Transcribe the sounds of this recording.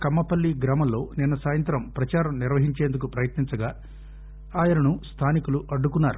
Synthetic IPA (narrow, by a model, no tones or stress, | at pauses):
kɐmːɐpɐlːiɡɾaːmɐlːo̞ːninːɐsaːjɐnt̪ɾɐmpɾɐt͡ʃaːɾɐmniɾʋɐɦiɲt͡ʃeːnd̪ukupɾɐjɐt̪niɲnt͡ʃɐɡaː | aːjɐɾɐnust̪ʰaːnikuluʔɐɖːukunːaːɾu